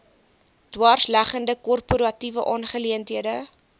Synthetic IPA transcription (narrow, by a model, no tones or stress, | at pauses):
d̥wɑːrslæχəndəkɔrpuɾɐtivəʔɑnχəliəntɦiədə